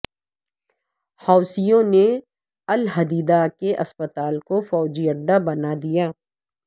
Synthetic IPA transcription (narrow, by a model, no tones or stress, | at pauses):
hɔːsijõne | ɐlɦɐd̪iːd̪akeʔɐspət̪aːlkofɔːd͡ʒijəɾd̪abɐnad̪ijaː